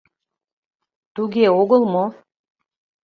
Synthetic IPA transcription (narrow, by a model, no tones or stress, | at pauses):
t̪uɣeoɣəlmo